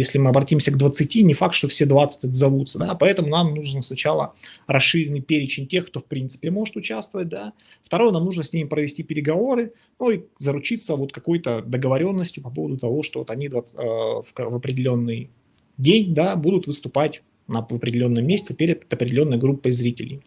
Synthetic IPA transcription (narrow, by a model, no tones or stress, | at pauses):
jesʲlʲɪmɨɐbɾɐtʲimsʲəɡd̪vət̪sɨtʲinʲɪfak̚t̪ʂt̪ofsʲed̪vat̪sɨ̥tʲɛt̪əzɐvut̪səd̪apɐɛt̪əmʊnamnuʐɨnsnɐt͡ɕalˠə̰ɾɐsːɨɾʲɪnːɨjpʲeɾʲɪt͡ɕɪnʲtʲexkt̪ofpɾʲint̪sɨ̥pʲɪmo̞ʐɨt̪ʊt͡ɕast̪vəvət̚ʲd̪a | ft̪ɐɾo̞jnamnuʐnəsʲnʲimʲɪpɾəvʲɪsʲtʲipʲɪɾʲɪɡɐvo̞ɾɨ | nuizəɾʊt͡ɕit̪səvo̞t̪kɐko̞jt̪əd̪əɡəvɐɾʲo̞nːəsʲtʲjʊpɐpo̞vəd̪ʊt̪ɐvo̞ʂt̪oot̪ɐnʲid̪vəfvəpɾʲɪdʲɪlʲo̞nːɨj | dʲenʲd̪abud̪ʊt̪vɨst̪ʊpatʲ | nəvəpɾʲɪdʲɪlʲo̞nːəjəmʲːesʲt̪ʲɪpʲeɾʲɪt̪t̪ɐpɾʲɪdʲɪlʲo̞nːəjɡɾupːɨzɾʲitʲɪlʲɪ̰j